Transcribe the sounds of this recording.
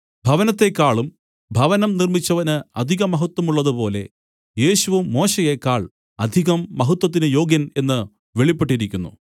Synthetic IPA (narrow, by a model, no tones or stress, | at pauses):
bʱɐʋɐnɐt̪ːe̞kːaːɭum | bʱɐʋɐnɐmnirmit͡ɕːɐʋɐnɨɐd̪ʱiɣɐmɐɦɐt̪wɐmuɭːɐðɨpo̞ːle̞̰ | je̞ːɕuʋumːo̞ːɕejekːaːɭ | ɐd̪ʱiɣɐmːɐɦut̪wɐt̪ːinɨjo̞ːɡjɐne̞nːɨ | ʋeɭipːe̞ʈːiɾikʲːunːṵ